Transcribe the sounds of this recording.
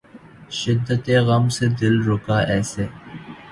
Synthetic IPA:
ʃɪd̪ːət̪eːɣɐmsed̪ɪlɾʊkaːʔɛːseː

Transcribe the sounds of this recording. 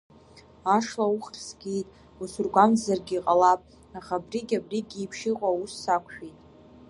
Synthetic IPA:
aʂlauχrsɡʲejtʼ | usurɡʷamzarɡʲiqʼalapʼ | aχabriɡʲʼabriɡʲipʰʂiqʷʼausːakʷʰʃᶣejtʼ

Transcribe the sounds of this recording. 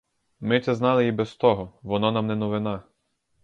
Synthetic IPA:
mɪt̪sɛznɑlˠɪjibɛst̪ɔɦɔʋɔnɔnɑmnɛnɔʋɪnɑ

